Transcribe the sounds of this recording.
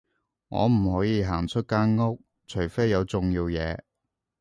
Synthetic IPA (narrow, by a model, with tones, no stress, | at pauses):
ŋɔ̰ː˨˧m̩˨˩hɔː˨˥jiː˧ɦaː˨˩ŋt͡ʃʰɵ˥t̚kaː˥nŋʊ˥k̚ | t͡ʃʰɵ˨˩jfe˥jːɐ˨˧wt͡sʊ˨ŋjiː˧wjɛː˨˧